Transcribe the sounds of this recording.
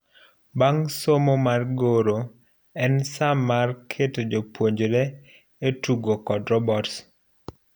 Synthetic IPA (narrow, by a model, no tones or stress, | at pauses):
baŋsomomarɡoɾo | ɛnsamarkʰetod͡ʒopwoɲd͡ʒɾɛ | etuɡokɔdɾɔbɔts